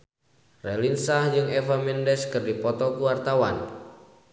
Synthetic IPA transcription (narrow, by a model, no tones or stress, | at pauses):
rɛlinsahd͡ʒɨŋɛfamɛndɛskɨrdipɔt̪ɔkuwart̪awan